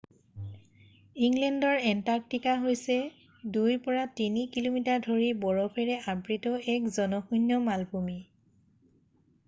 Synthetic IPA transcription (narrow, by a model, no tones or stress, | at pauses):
iŋɡlɛndɔɹɛntaɹk̚tikaɦojsɛ | dujpɔɹatinikilomitaɹdʱoɹibɔɹɔpʰɛɹɛʔabɹitɔɛkzɔnɔxunːɔmalbʱumi